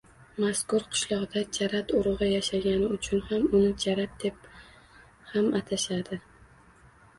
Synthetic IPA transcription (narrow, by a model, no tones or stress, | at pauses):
maskʊɾqʰʊ̥ʃlˠɒʁd̪at͡ʃʰaɾat̪ʊɾɨʁɨjaʃaɡʲanɪʊt͡ʃʰʊnhamʊnɪt͡ʃʰaɾat̪̚d̪̥e̞p | hamat̪ʰaʃad̪ɪ